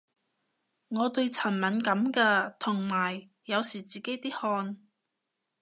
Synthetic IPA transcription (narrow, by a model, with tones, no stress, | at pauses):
ŋɔː˨˧t̪ɵ˧ɥt͡sʰɐ˨˩nmɐ˨˧nkɐ˨˥mkaː˧t̪ʰʊ˨˩ŋmaː˨˩jː | ɐ˨˧wsiː˨˩t͡siː˨ke˨˥jt̪iː˥hɔː˧n